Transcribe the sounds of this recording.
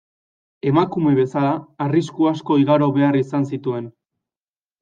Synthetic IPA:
e̞makume̞βe̞salaːriskuasko̞iɣaɾo̞βe̞arisansit̪ue̞n

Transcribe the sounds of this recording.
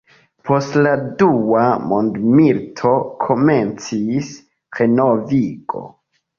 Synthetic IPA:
pʰo̞stladuamondmiltʰo̞kʰo̞ment͡sis | χe̞no̞viɡo̞̰

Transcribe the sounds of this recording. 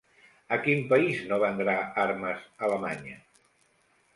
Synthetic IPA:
əkimpəiznoβənd̪ɾaaɾməzələmaɲə

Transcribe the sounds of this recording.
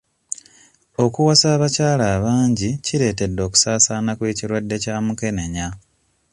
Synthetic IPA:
o̞kuwasaːβacaːlaːβaːɲɟiciɾe̞ːte̞dːo̞ːku̥saːsaːnakweːciɾwadːe̞caːmuke̞ne̞ɲa

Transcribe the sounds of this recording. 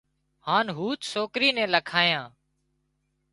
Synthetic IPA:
haːnɦuːt͡ʃsoːkɾiːnɛ̃ːləkʰaːjãː

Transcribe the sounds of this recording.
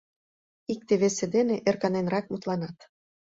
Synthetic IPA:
ik̚t̪eβesed̪eneʔerkɑnenrɑkmut̪lɑnɑt̪

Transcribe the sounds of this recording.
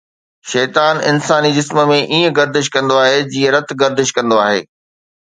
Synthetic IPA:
ʃɛːt̪aːnɪ̰nsaːnid͡ʑɪsmə̆mẽʔiːə̃ɡɐɾd̪ɪʃ̬kɐ̃nd̪oaːɦed͡ʑiːə̃ɾɐt̪ʰɡɐɾd̪ɪʃkɐ̃nd̪oaːɦḛː

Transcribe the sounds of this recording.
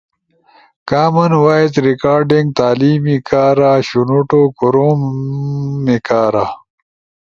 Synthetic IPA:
kaːmɐnwaːit̪ɾikaːɾɖiŋɡ̚t̪aːliːmikaːɾaːɕunuʈoːkuɾoːmː | ikaːɾaː

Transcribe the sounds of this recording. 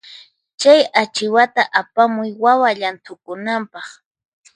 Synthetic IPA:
t͡ʃajat͡ʃɪwat̪aʔapamʊjwawaʎant̪ʊkʊnampɑχ

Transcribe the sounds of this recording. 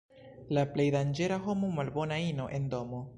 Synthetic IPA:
laple̞jdand͡ʒe̞ɾaɦo̞mumalbo̞naino̞ʔe̞ndo̞mo

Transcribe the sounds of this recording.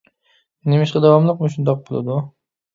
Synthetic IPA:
nemɪʃqad̪awɒmlˠɨqmʊʃʊnd̪ɒq̚bolˠa̰d̪ʊ

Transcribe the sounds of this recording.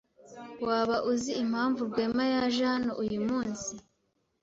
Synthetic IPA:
waːβaʔuziim̥haːɱvubɡweːmajaʒanoʔujumuːnsi

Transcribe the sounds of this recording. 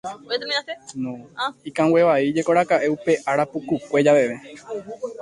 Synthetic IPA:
nõikãwe̞ʋaid͡ʒe̞koɾakaʔe̞upe̞ʔaɾapukukʷe̞d͡ʒaʋe̞ʋe

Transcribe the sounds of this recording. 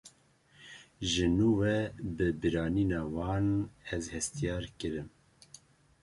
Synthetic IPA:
ʒɨnuːwɛbɨbɨɾɑːniːnɑːwɑːnɛzhɛst̪ijɑːɾkɨɾɨm

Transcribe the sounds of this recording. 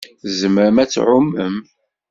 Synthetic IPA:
zəməɾəmæt͡sːʕʊmːəm

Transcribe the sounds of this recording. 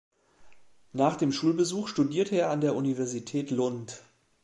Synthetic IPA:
naːχd̥eːmʃuːlbəzuːxʃtudiːɐtʰəeːɐandeːɐʔunivɛɐzitʰɛːtlʊnt

